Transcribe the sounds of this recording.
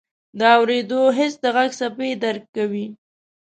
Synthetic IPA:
d̪əawɾed̪oɦɪsd̪əɣaɡsaped̪aɾkkːawi

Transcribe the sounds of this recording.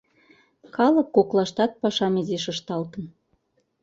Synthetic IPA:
kɑlə̆kːoklˠɑʃt̪ɑt̪̚pɑʃɑmezeʃə̆ʃt̪ɑlt̪ən

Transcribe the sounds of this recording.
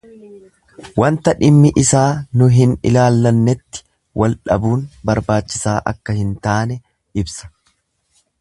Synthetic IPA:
wɐnt̪ɐᶑɪmːɪʔɪsaːnʊɦɪnɪ̰laːlːɐnːɛt̪ːɪ̥ | wʔɐlᶑɐ̰buːnbɐɾbaːt͡ʃːɪsaːʔɐ̰kːɐhɪnt̪aːnɛ | ɪbsɐ̥

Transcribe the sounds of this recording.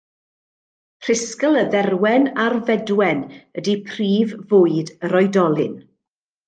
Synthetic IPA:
pʰr̥ɪskəlˠəðɛrwɛnarvɛdwɛnədipʰriːvvʊːɨdəɾɔɨdɔlˠɪn

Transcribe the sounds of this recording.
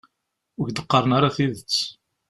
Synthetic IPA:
ʊʝd̪əqːɑɾˤənaɾˤaθiðət͡sː

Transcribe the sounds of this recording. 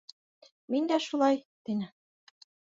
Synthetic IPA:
mind̪æʃulˠɑjt̪inɘ

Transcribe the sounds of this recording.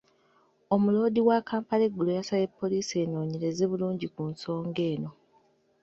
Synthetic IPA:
o̞mulo̞ːdiwakaːmpaleɡːulojasale̞pːo̞liːse̞ːno̞ːɲiɾe̞zeβuluːɲɟikunso̞ːŋɡe̞ːno̞

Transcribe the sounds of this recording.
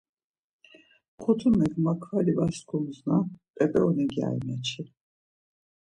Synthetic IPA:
χʰɔt̪ʰumɛɡmakʰvalivasɡʰumznapʼɛt̪ʼɛɔnɛɡia̰jmat͡ʃʰi

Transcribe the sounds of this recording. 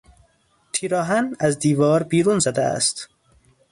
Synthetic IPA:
t̪ʰiːɾɒːɦænæzd̪iːvɒːɾbiːɾuːnzæd̪ɛæ̰st̪

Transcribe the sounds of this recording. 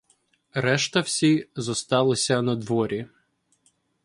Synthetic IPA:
ɾɛʃt̪ɐwsʲizɔst̪ɑlˠɪsʲɐnɐd̪ʋɔɾʲi

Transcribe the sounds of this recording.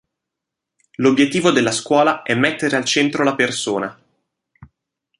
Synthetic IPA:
lobjet̪ːiːvod̪elːaskwɔːlaɛmːet̪ːeɾealt͡ʃɛnt̪ɾolapersoːna

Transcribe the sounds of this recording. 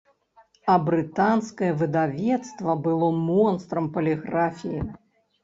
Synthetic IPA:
ɐbɾɨt̪anskɐjɛvɨd̪avʲɛt̪st̪vɐbɨlˠɔmɔnst̪ɾɐmpɐlʲɛɣɾafʲiji

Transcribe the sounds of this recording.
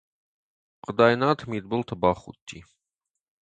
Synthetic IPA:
qəd̪ɑjnat̪ʰmid̪̚bəlt̪ʰəbaχṵt̪ʰːi

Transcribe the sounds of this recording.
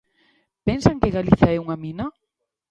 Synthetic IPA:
pɛnsaŋkeɣaliθaɛuŋamĩna

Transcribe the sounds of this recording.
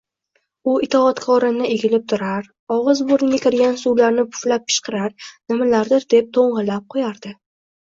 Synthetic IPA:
ʊɪt̪ʰɒːt̪kʰɒɾɪnnɪʔeɡʲɪlɪp̚t̪ʰʊɾaɾ | ɒʁɨzboɾnɪɡʲakʲʰɪɾɡʲansuwlaɾnɪpʰʊ̥flap̚kʲʰɪ̥ʃqʰɨɾaɾnɪmalaɾd̪ɪɾd̪e̞p̚t̪ʰoɴʁɨlap̚qʰojaɾd̪̥ɪ

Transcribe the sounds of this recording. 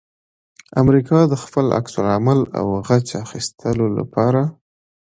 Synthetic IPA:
amɾikɑd̪əxpəla̰ksʊɾamala̰wɣat͡ʃaxist̪ʰəlola̰pɑɾa

